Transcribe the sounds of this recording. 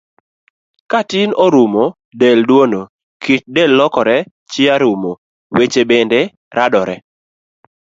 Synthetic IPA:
katɪnoɾumo | deldwono | kit̚dɛlːɔkɔɾɛ | t͡ʃɪaɾumo | wet͡ʃebende | ɾadɔɾɛ

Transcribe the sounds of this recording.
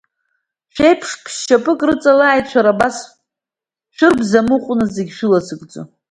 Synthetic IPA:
ʃᶣejpʰʂkʰʃt͡ʃʰapʼɨkʼrɨt͡sʼalaːjtt͡ʃʷᶣʰaɾabas | ʃʷᶣɨrbzamɨqʷʼnɨzeɡʲʃʷᶣɪlasɨkʼd͡zʼo̰

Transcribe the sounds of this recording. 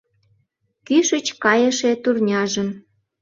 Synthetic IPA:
kyʃət͡ɕkɑjəʃet̪urnʲɑʒən

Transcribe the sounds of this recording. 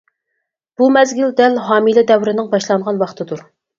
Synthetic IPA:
b̥umɛzɡʲyld̪ɛlɦɑːmilɪd̪ɛwɾɪnɪŋbɑʃlˠɑŋʁɑnwɑχt̪ʰɨd̪uɾ

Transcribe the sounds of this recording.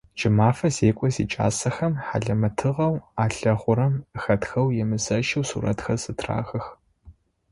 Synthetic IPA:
d͡ʒɪmaːfɐzeːkʷʼɔzḭːt͡ʃʼa̰ːsɐxɐmħa̰ɮɐmɐtʰɨʁɐwaːɬɐʁʷʊɾɐmxɐtxɐwjɛmɨzɐʃɐwsṵːɾɐ̰txɐzɨtʰra̰ːxɐx

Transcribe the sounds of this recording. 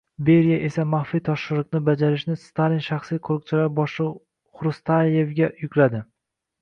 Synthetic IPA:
be̞ɾijaʔe̞samaχfit̪ʰɒʃʃɪɾlɨqnɪbad͡ʒaɾɪʃnɪst̪alinʃaχsijqʰoɾɨq̚t͡ʃʰɪlaɾbɒʃɪ | χɾʊst̪ʰaje̞vɡʲajʊkʰʲlad̪ɪ

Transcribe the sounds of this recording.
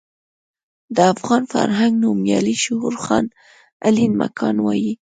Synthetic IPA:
d̪əafɣɑnfa̰ɾɦaŋɡnumjɑliʃʊhuɾxɑn | alinma̰kʰɑnwɑji

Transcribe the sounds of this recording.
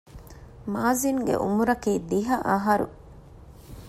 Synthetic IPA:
maːziŋɡḛʔṵmuɾɐkiːd̪iɦɐʔɐɦɐɾṵ

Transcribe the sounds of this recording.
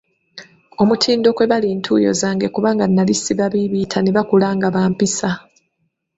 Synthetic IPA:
o̞mutʰiːndo̞kwe̞βaliːntʰuːjo̞̰zaːŋɡe̞kuβaːŋɡanːalisiβaβiβitʰaneβakulaːŋɡaβaːmpisa

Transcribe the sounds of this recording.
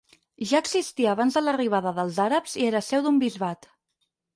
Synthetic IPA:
ʒaəɡzist̪iəːβanzðələriβ̞aðəðəlˠzaɾəpzieɾəsɛwðumbizβat̪

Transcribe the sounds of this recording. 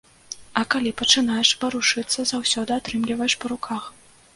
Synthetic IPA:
ɐkalʲipɐt͡ʂɨnajɛʂpɐɾuʂɨt̪sːɐzawsʲɔd̪ɨat̪ɾɨmlʲivɐjɛʂpɐɾukʰax

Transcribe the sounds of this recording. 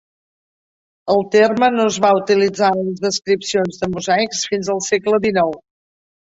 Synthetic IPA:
əlˠt̪ermənoəzβaut̪ilid͡zaəlzðəskɾipsionzðəmuzajksfinzəlˠsɛkləd̪inɔw

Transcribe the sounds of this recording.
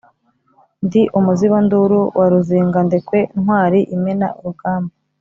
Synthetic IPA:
ndiʔumuziβanduɾuwʔaɾuziːŋɡandikwe̞nhwaːɾiʔimena̰uɾuɡaːmba

